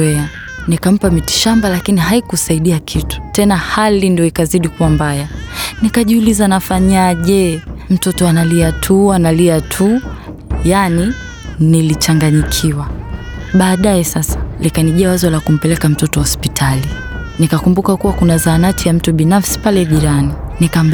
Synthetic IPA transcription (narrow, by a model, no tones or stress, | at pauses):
ɛa | nikam̩pamiti̥ʃambalakiniɦaikusaiɗiakʰitu̥tɛnahalindijɔikaziɗikuwambajanikaʄiulizanafaɲaʄɛm̩tɔtɔanaliatʰuanaliatʰu | jani | nilit͡ʃaŋɡaɲikʰiwa | ɓaːɗajɛsasḁlikaniʄɛawazalakum̩pɛlɛkam̩tɔtɔhɔspitʰalinikakumbukakuwakunazanatʰijam̩tuɓinafsi̥palɛʄiɾaninikam